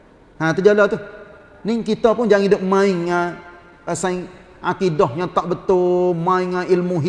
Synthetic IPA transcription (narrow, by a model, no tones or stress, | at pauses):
ãt̪əd͡ʒalat̪u | nɪŋkit̪apʊnd͡ʒaŋidʊp̚mãɪŋa | əsaɪŋ | akidɔhɲat̪aʔbət̪ʊmãɪŋailmuɦi